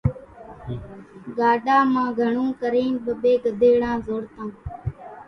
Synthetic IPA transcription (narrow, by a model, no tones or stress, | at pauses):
ɡaːɗaːmãːɡʱəɳũːkəɾẽːnɓəɓeːɡəd̪ʱeːɽãːzoːɽt̪ãː